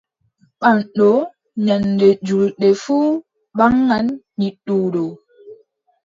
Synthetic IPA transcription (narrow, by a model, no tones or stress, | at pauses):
ɓanɗɔ | ɲandɛd͡ʒulɗɛfuː | ɓaŋːanː | iɗuːɗɔ